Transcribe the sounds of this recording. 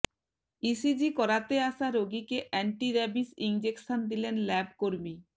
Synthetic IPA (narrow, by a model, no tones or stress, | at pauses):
isid͡ʑikɔɾat̪eaʃaɾoɡikeʔɛɳʈiɾɛbisind͡ʑekʃond̪ilenlɛb̚koɾmi